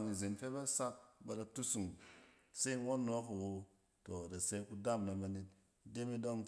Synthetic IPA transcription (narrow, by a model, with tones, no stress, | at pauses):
ŋi˨ze˨nfe˦ba˦sa˦k̚ba˨ɾa˨tu˦su˨ŋ | se˦wo˦nː˨o˨˦ku˨wo˧ | to˨ɾa˨se˧˦ku˦da˦˨mna˨ba˨ne˨t̚ | de˦mi˦do˦ŋ